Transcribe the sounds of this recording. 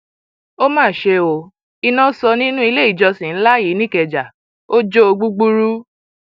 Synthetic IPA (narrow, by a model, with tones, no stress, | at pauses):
o˦mãː˦˨ʃe˧o˧ | i˧nã˦sɔ˧nĩ˦nũ˦i˧le˦i˦˨d͡ʒɔ˧sĩ˨n̩˦la˦ji˨˦nĩ˦˨kɛ˨d͡ʒa˨ | o˦d͡ʒo˦o˧ɡ͡bu˦ɡ͡bu˦ɾu˦